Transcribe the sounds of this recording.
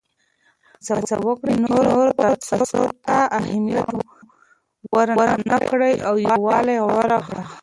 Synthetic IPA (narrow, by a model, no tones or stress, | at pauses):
t͡sat͡sa̰wəkɽinoɾoɾot̪at̪saso̰ɾt̪aahamijat̪o | waɾɾanakɽəjawjɑwɑlajwaɾaxɽa